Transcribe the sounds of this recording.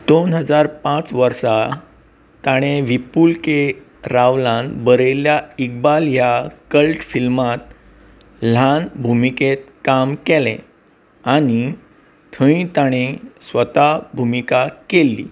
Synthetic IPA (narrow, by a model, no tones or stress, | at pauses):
d̪onɦəd͡zaɾpãt͡sʋəɾsa | t̪aɽ̃eʋipulke | ɾaʋlãnbəɾeljaik̚baljakəlʈfilmat̪ | l̤anbʱumiket̪̚kamkɛlḛ̃ | aɽ̃i | t̪ʰə̃ĩt̪aɽ̃esʋət̪abʱumikakelːḭː